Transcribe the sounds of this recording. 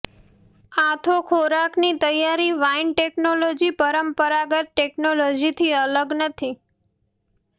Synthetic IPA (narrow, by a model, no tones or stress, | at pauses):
at̪ʰokʰoɾaknit̪əjaɾiʋainʈeknolod͡ʒipəɾəmpəɾaɡət̪̚ʈeknolod͡ʒit̪ʰiələɡnət̪ʰi